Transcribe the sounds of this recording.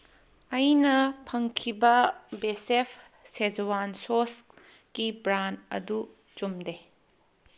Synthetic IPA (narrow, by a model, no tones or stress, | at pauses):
ɐjnɐpʰɐŋkʰibɐbesepʰ | sed͡ʒuwansos | kibɾantɐ̰du | t͡ʃumde